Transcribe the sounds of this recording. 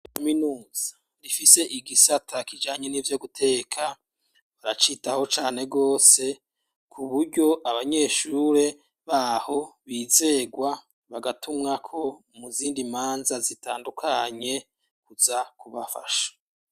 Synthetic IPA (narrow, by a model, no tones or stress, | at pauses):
kaminuːz̥ḁ | difise̞ʔiɡisatʰakid͡ʒaːɲe̞nivjo̞ɡutʰe̞ːkʰa | βaɾat͡ʃitaho̞t͡ʃaːne̞ɡo̞ːse̞ | kʰuβuɾɟo̞ʔaβaɲe̞ʃuɾe̞ | βaho̞βiːze̞ɡwa | βaɡatumŋakʰo̞ | muziːndimaːnzazitaːndukʰaɲe̞ | kuz̥akuβafa̰ʃḁ